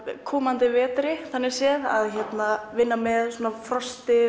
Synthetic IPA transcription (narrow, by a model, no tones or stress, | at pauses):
kʰɔːmant̪ɪvɛːt̪ɾɪθanːɪsjɛða̰ðçɛt̪navɪnːamɛðswɔːnafɾɔst̪ɪ